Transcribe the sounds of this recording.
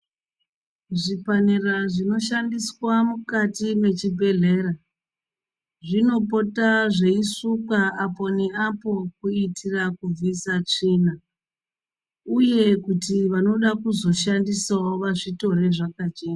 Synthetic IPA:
ʐipaneraʐino̞ʃandiswamukatime̞t͡ʃibʱe̞ɮe̞ːra | ʐino̞po̞taʐe̞isukaapo̞neapo̞kuitʰirakub͡visat͡ʂiːna | uje̞kutiʋano̞ɗakuzo̞ʃandisaoʋaʐito̞ɾe̞ʐakad͡ʒeːa

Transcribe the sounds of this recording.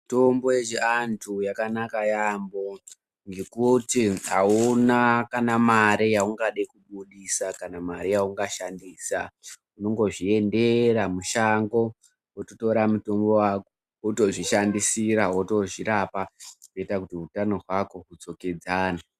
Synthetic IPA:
to̞mbo̞jeʐiantʰujakanakajambo̞ | ŋɡe̞kutiɦaunakanamaɾijauŋɡaɗekuɓuɗisakanamaɾijauŋɡaʃandiːsa | uno̞ŋɡo̞ʐie̞nde̞ɾamuʃaŋɡo̞ | wototo̞ɾamuto̞mbo̞wako | uto̞ʐiʃandisiɾawoto̞ʐiɾapakoitakutiutano̞ɦwako̞ɦut͡so̞ke̞d͡zaːna

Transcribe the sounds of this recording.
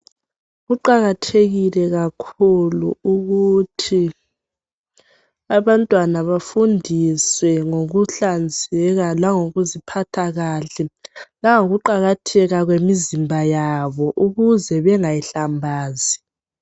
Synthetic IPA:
ɣuǃaɣatʰeɣilɛɣakʰuluuɣutʰi | aβantʼwanaβafundʱiswɛŋoɣuɬand͡zʱɛɣalaŋoɣuzipʰatʰaɣaːɬɛlaŋoɣuǃaɣatʰɛɣaɣwemizimbʱajaβɔʔuɣuzɛβɛŋajiɬambʱaːzi

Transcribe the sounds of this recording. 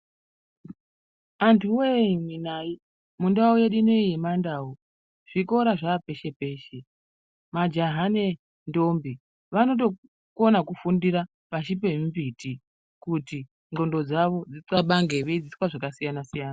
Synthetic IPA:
antʰuwemwinai | mundaojeɗinoijimandaːo | ʐ̥iko̞ɾaʐape̞ʃe̞pe̞ːʃe̞ | mad͡ʒaɦane̞ | ndo̞mbi | ʋano̞t̬o̞ | konakufundiɾa | paʃip̬e̞mbiti | kuti | ŋɡo̞ndo̞d͡zaʋo̞d͡ziǀaɓaŋɡe̞ʋeid͡ziswaʐakasijanasijaːna

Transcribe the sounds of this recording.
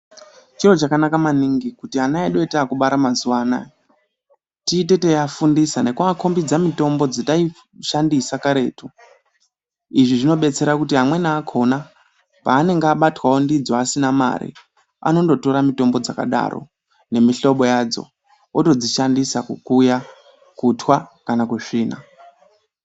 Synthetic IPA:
t͡ʃiro̞t͡ʃakanakamaniŋɡikutianaeɗo̞itakuɓaɾamazuʋaːna̰i | tiːt̬e̞tejafundisane̞kuakʰo̞mbid͡zamito̞mbo̞d͡zitai | ʃandisakaɾe̞ːtu | iʐiʐino̞ɓe̞t͡se̞ɾakutiɦamwe̞naːkʰo̞na | paːne̞ŋɡːɓatwaondid͡zoasinama̰ɾḭ | a̰no̞ndo̞to̞ɾamito̞mbo̞d͡zaka̰ɗa̰ro̞̰ | ne̞miɬo̞ɓo̞jad͡zo̞̰ | oto̞d͡ziʃandisakukuja | kutwakanakuʂiːna̰

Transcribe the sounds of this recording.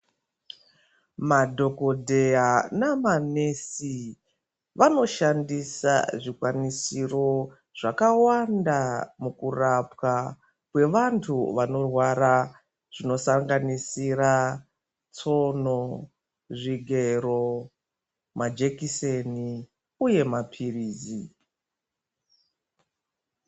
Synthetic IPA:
madʱo̞ko̞dʱe̞janamanesi | ʋano̞ʃandisa̰ʐikwanisiro̞ | ʐ̥akawandamukurapwa | kwe̞ʋantʰuʋano̞rwaɾa | ʐ̥ino̞saŋɡanisira | t͡so̞no | ʐiɡʱe̞ɾo̞ | mad͡ʒekiseni | uje̞mapʰiriːzi

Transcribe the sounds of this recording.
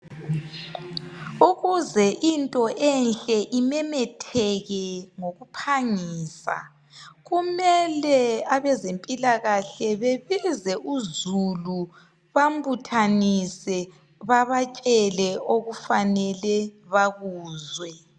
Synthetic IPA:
uɣuzɛʔintʼɔʔɛnɬʼɛʔimɛmɛtʰɛɣɛŋoɣupʰaŋiːsa̰ | ɣumɛlɛaβɛzempʼilaɣaɬɛβeβizɛʔuzulu | βambutʰanisɛ | βaβat͡ʃʼɛlɛʔoɣufanɛlɛβaɣuːzwɛ

